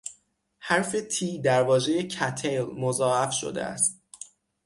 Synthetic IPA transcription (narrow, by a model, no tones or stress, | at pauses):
hæɾfe̞t̪ʰiːd̪æɾvɒːʒe̞je̞cʰæt̪ʰelmozɒːæfʃo̰d̪ḛæ̰st̪̚